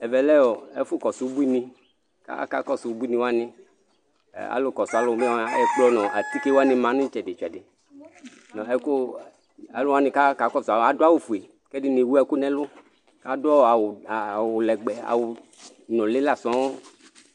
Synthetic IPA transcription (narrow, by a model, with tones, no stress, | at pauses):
ɛ˨vɛ˨lɛ˦wɔ˨ḛ˦fu˦kɔ˨su˨˦bi˦nĩ˦ | ka̰˦ka̰˦kɔ˦su˨wu˦bu˦i˦nĩ˦wo˦a˦nḭ̃˦˨ | a̰˨˦lo˦kɔ˨su˨˦a˨˦lo˦me˦a˦ɛ˦k͡plɔ˦nɔ̃˨a˨t̪i˦ke˦wo˦a˦nĩ˨˦mã˨˦nũ˦t͡ʃɛ˨de˨t͡ʃɛ˨de˨ | nɔ̃˨ɛ˦ko˦ | a˨lo˦wa˦nĩ˨ka˦ka˨˦kɔ˦sa˨a˨do˦a˦wo˨fu˨e˨ | kɛ˦di˦ne˨wu˦ɛ˨ku˦nɛ̃˦lʊ˦ | ka˦dɔ˦˨a˨wwo˨lɛ˨ɡ͡bɛ˨a̰˨wo˨ | nɔ̃˨le˦la˨sɔ̃˨˦wo˦